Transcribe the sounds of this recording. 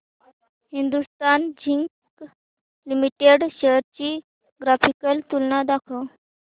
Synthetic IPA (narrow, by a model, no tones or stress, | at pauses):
hind̪ust̪and͡ʑiŋk | limiʈeɽɕeɾt͡ɕiː | ɡɾafikəlt̪ulnad̪akʰə